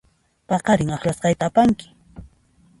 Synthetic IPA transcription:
pɑqɑɾɪŋɑχlasqɑjt̪aːpaŋkɪ̥

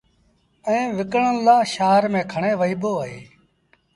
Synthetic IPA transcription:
ɛ̃ːʋɪkɳənlãːʃaːɦɾmẽːkʰəɳẽːʋəiːboːaːɦḛː

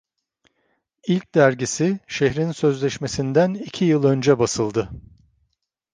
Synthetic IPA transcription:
ilʲc̚d̪æɾɟisiʃeɦɾinsø̞zlʲɛʃme̞sind̪ænicʰijɯlˠø̞nd͡ʒɛbasɯlˠd̪ɯ

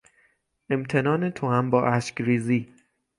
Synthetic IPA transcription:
ʔe̞mt̪ʰe̞nɒːnet̪ʰohæmbɒːʔæʃcɾiːziː

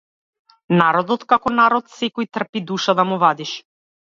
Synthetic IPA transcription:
naɾɔd̪ɔt̪kakɔnaɾɔt̪sɛkɔjt̪r̩pid̪uʃad̪amuvad̪iʃ

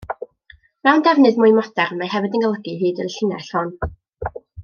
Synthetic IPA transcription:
mɛwndɛvnɨðmʊjmɔd̥ɛrmahɛvɨdənɡəlˠəɡihiːdəɾɬɪnɛɬhɔn

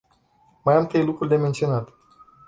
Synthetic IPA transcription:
majamt̪ɾejlukɾurʲd̪e̞me̞nt̪sio̞nat̪

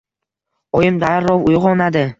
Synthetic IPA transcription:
ɒjɪmd̪aɾːɒvʊjʁɒnad̪ɪ

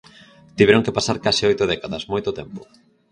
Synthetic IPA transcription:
t̪iβeɾoŋkepasaɾkasɪojt̪ʊðɛkaðɐsmojt̪ʊt̪ɛmpʊ

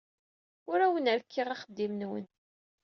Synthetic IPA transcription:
ʊɾæwənəɾkʰːiʁaχəd̪ːimnwə̰n

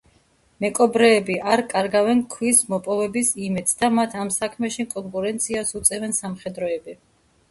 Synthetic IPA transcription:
mɛkʼɔbɾɛːbiʔaɾkʼaɾɡavɛnkʰwismɔpʼɔvɛbisimɛd̪sd̪amat̪ʰamsakʰmɛʃikʼɔŋkʼuɾɛnt̪sʰiasut̪sʼɛvɛnsamχɛd̪ɾɔɛbi

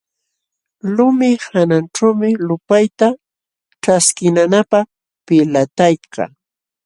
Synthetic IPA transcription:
lʊmɪhananʈ͡ʂawmɪlʊpajt̪a | ʈ͡ʂaskɪnanapɑχ | pɪlat̪ajka̰

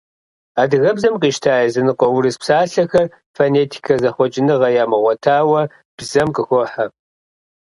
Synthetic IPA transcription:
aːdɨɣɐbzɐmqiːʃtʰaːjɐzɨnɨqʷɔwɾɨspsaːɬɐxɐr | fɐneːtʰi̥kʰɐzɐχʷɔt͡ʃʼɪnɨʁɐjaːmɨʁʷɔtʰaːwɐ | b̥zɐmqʼəxʷɔħa

